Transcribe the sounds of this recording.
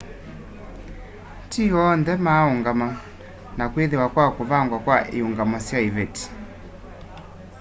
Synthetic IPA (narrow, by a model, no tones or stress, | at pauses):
tiɔndɛmauŋɡama | nakwiðiwakwakuvaŋɡwakwaʔiuŋɡamasjaivɛti̥